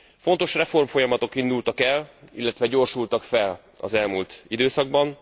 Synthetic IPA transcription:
fo̞nt̪o̞ʃrɛfo̞rmfo̞jɒmɒt̪o̞kind̪ult̪ɒkɛlḭlːɛt̪ʋɛɟo̞rʃult̪ɒkfɛl | ɒ̰zɛlmult̪id̪øːsɒɡ̚bɒn

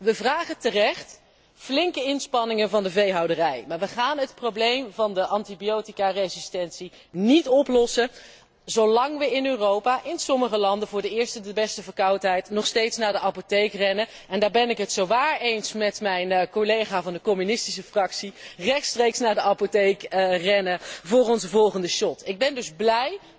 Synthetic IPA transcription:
ʋəvraːχətərɛχt | flɪŋkəɪnspɑnɪŋənvɑndəvejɦɑwdərɛjmaːɹʋəχaːnɦətprowblejmvɑndəʔɑntibijowtikarejzɪstɛntsi | nitɔplɔsə | zowlɑŋʋəɪnøːrowpaːʔɪnsɔməχəlɑndəvʊːɹdəɪːɹstədəbɛstəvəɹkɑwtɦɛjtnɔχstejtsnaːɹdəʔɑpotejkrɛnə | ɛndaːɹbɛnɪkɦətsowʋaːɹejnsmɛtmɛjnkolejχaːvɑndəkɔmynɪstisəfrɑksirɛχtstrejksnaːɹdəʔɑpotejkrɛnəvʊːrɔnzəvɔlˠχəndəʃɔtɪɡ̚bɛndɵzblɛj

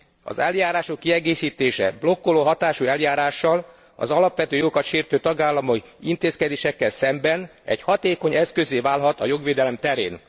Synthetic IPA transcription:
ɒ̰zɛljaːɾaːʃo̞kːiɛɡeːsiːt̪eːʃɛ̰blo̞kːoloːɦɒt̪aːʃuɛljaːɾaːʃːɒl | ɒ̰zɒlɒpʋɛt̪øːjoɡokɒt̪ʃeːrt̪øːt̪ɒɡaːlːɒmoint̪eːskɛd̪eːʃɛkːɛlsɛmbɛnɛ̰ɟhɒt̪eːko̞ɲɛskøzeːvaːlɦɒt̪ɒjo̞ɡʋeːd̪ɛlɛmt̪ɛɾḛːn

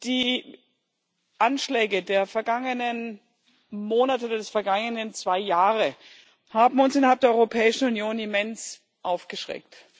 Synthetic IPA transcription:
d̥iː | ʔanʃlɛːɡədeːɐfɛɐɡaŋənən | moːnatəodɐdɛsfɛɐɡaŋənənt͡sv̥aɪjaːʁə | haːbm̩ʊnsʔɪnɐhalp̚d̥ːɐɔʏʁopʰɛːɪʃn̩unjoːnɪmɛns | ʔaʊfɡ̥əʃʁ̥ɛ̰k̚t

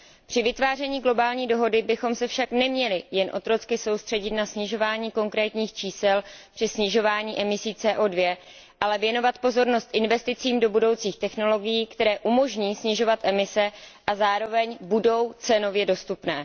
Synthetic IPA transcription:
pr̥ɪvɪt̪vaːr̝ɛɲiːɡlo̞baːlɲiːdo̞ɦo̞dɪbɪxo̞msɛfʃaknɛmɲɛlɪjɛnʔo̞̰t̪ɾo̞t͡skɪso̞wst̪r̥ɛɟɪt̪nasɲɪʒo̞vaːɲiːko̞ŋkɾɛːt̪ɲiːxt͡ʃiːsɛlpr̥ɪsɲɪʒo̞vaːɲiːʔɛmɪsiːt͡sɛːʔoːdvjɛ | ʔalɛvjɛno̞vat̪po̞zo̞ɾno̞st̪ʔɪnvɛst̪ɪt͡siːmdo̞budo̞wt͡siːxt̪ɛxno̞lo̞ɡɪjiːkt̪ɛɾɛːʔumo̞ʒɲiːsɲɪʒo̞vat̪ʔɛmɪsɛʔazaːɾo̞vɛɲbudo̞wt͡sɛno̞vjɛdo̞st̪upnɛː

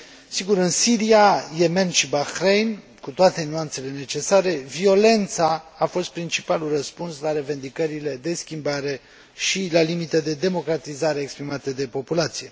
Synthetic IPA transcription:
siɡuɾɨnsiɾiaje̞me̞nʃibaxɾejn | kut̪oat̪e̞nuant̪se̞le̞ne̞t͡ʃe̞saɾe̞vio̞le̞nt̪saːfo̞st̪̚pɾint͡ʃipalurəspunslaɾe̞ve̞nd̪ikəɾile̞d̪e̞skʲimbaɾe̞ | ʃilalimit̪ed̪e̞d̪e̞mo̞kɾat̪izaɾeːkspɾimat̪e̞d̪e̞po̞pulat̪sije̞

